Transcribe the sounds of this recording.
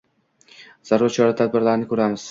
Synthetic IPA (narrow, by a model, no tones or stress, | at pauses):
z̥aɾːat͡ʃʰɒɾat̪ʰad̪̚bɪɾlaɾɪnɪkʰɵɾamɪz̥